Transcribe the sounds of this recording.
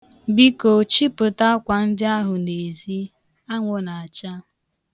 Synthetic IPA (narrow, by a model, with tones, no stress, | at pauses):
bi˦ko˨t͡ʃi˦pʊ˨ta˦kʷa˨n̩˦dɪ˦a˦ɦʊ˨ne˨zi˦ | a˦ŋʷo˨na˨a˨t͡ʃa˦